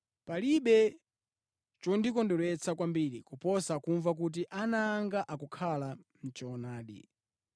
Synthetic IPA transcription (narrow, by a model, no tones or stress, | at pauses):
paliɓɛ | t͡ʃɔndikɔndɔlɛt͡sakwambiɾikupɔsakuɱvak̬ut̬iʔanaːŋɡaʔakukʰalam̩t͡ʃɔnaːɗḭ